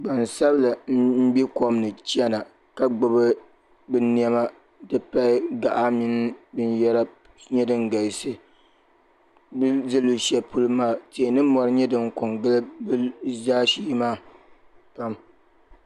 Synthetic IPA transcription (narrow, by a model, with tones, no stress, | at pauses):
ɡ͡ba˨n˨sa˦bla˨˦m̩˦bi˦ko˦m˦nɨ˨t͡ʃi˦ɛ˦na˨ | ka˨ɡ͡bʊ˨bɨ˦ | bɨ˦ni˦ɛ˦ma˦ | dɨ˦pa˦ɪ˦ɡa˨ʔa˦mi˦n˦bɨ˦njɛ˦ɾa˦ | ɲɛ˦dɨ˦ŋɡa˨sɨ˦ | bɨ˦zɨ˦lu˨˦ʃɛ˨pu˦lɨ˦maː˦˨te˨nɨ˦mɔ˨ɾɨ˦ɲɛ˦dɨ˦ŋkʊ˨ŋɡɨ˦lɨ˦bɨ˦zaː˦ʃiː˦maː˦˨ | pa˦m